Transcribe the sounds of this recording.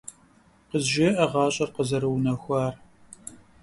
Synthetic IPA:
qəzʒɪʔɐʁɑːɕʼɐrqəzɐɾɨwnɐxʷɑːr

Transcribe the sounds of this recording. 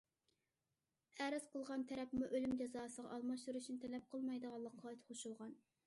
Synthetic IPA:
æɾɪz̥qʰəlˠʁɑnt̪ʰɛɾɛpmuʔølymd͡ʒɑzɑːsəʁɑ̰ʔɑlˠmɑʃt̪uɾuʃnɪt̪ʰɛlɛp̚qʰəlˠmɑjd̪əʁɑlˠːɑqʰːɑt̪ʰχʰoʃulˠʁɑn

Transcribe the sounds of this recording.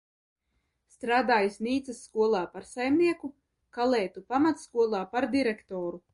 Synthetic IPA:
st̪ɾaːd̪aːjisʲniːt̪sɐsːkuɔlˠaːpaɾsajmniɛku | kalˠɛːt̪upamat̪skuɔlˠaːpaɾd̪iɾɛkt̪ɔːɾu

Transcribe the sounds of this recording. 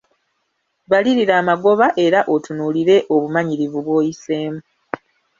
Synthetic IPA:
βaliɾiɾaːmaɡo̞βaʔe̞ɾaʔo̞tunuliɾe̞ʔo̞βumaɲiɾivuβwo̞ːjiseːmu

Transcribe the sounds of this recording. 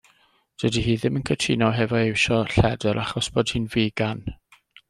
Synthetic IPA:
d̥wədiɦiːðɪmənkʰətʰinɔɦɛvɔewʃɔɬɛdɛɾʔaχɔsb̥oːd̥hɨːnviːɡan

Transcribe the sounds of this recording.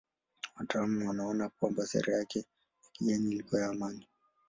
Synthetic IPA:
watalamuwanaɔnapɔmbɔsɛ̰ɾɛjakɛ | ikijɛnilikɔjaːmani

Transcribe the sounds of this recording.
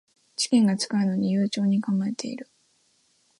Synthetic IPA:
d͡ʑi̥kʲẽ̞ŋɡat͡sɨ̥kaɯ̟no̞ɲ̟ijɯːt͡ɕo̞ːɲ̟ikãmɡaet̪ʰe̞̰ḭɾɯ̟

